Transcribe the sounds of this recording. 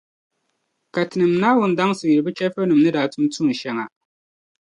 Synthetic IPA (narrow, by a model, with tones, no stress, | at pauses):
ka˨tɨ˨nɨ˨m˨naː˦wʊ˨n˨da˦ŋ˦sɨ˨ji˨ɨ˨bɨ˦t͡ʃɛ˦fo˦nɨ˨mnɨ˦daː˨tu˦m˦tu˦n˨ʃɛ˦ŋa˨